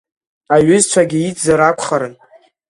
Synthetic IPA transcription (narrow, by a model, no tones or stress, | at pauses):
aɥʏzt͡ʃʷʰaɡʲɪit͡sʼzaɾakʷʰʼχaɾɨn